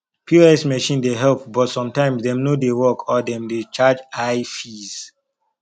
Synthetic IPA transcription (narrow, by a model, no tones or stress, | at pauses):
pʰjuɛsmɛʃĩndeɦɛlp̚bɔtsɔ̃mtãɪ̃msdɛ̃mnodewɔkʰɔdɛ̃mdet͡ʃad͡ʒaɪfiz̥